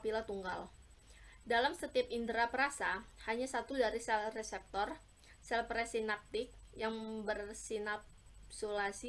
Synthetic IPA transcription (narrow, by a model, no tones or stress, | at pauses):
pilat̪uŋɡal | dalamsət̪iapindɾapəɾasahaɲasat̪udaɾisɛlrɛsɛp̚t̪ɔr | sɛlpɾɛsinap̚t̪ɪk̚jaŋbərsinap | solasi